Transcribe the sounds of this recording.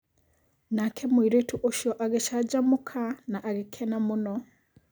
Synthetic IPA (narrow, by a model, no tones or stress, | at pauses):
nakʰemwiɾetʰuʔoʃɔʔaɡeʃad͡ʒamukʰanaʔaɡekʰɛnamunɔ